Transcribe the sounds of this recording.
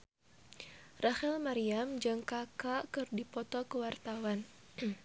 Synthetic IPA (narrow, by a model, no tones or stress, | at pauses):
rahɛlmaɾiamd͡ʒɨŋkakakɨrdipɔt̪ɔkəwart̪awan